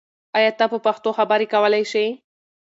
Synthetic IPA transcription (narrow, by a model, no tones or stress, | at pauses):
ɑjɑt̪apəpaxt̪oxabəɾekawəlajʃəj